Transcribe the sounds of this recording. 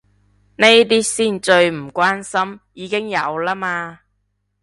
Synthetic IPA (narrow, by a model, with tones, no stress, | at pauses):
ne˥jt̪̬iː˥siː˥˩nt͡ʃɵ˧ɥm̩˨˩kʷwaː˥nsɐ˥mjiː˨˧kɪ˥ŋjɐ˨˧wlaː˥maː˧